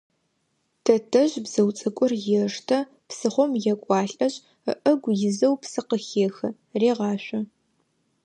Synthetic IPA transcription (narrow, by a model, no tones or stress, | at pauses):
tʰɐtʰɐʑbz̥ɐwt͡sʼɐkʷʼʊrjɪʂtʰɐ | psɨχʷɔmjɛkʷʼɑːɬʼɐʑʼ | ə̰ʔɐɡʷjɪzɐwpsɨqəxeːxɐ | reːʁɑːɕʷɐ